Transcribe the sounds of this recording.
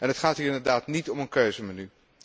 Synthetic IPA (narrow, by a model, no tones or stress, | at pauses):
ɛnətχaːtɦiːɹɪndəɹdaːtnitɔmənkøɥzəmany